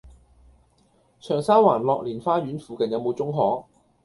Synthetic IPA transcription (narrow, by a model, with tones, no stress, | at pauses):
t͡ʃʰœː˨˩ŋsaː˥waː˨˩nlɔː˨˧k̚liː˨˩nfaː˥ɥyː˨˥nfuː˨kɐ˨˩njɐ˨˧wmo˨˧wt͡sʊ˥ŋɦɔː˨˥